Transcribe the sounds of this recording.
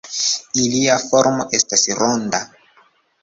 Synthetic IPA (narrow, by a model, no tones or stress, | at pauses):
iliafoɾmoʔestasɾonda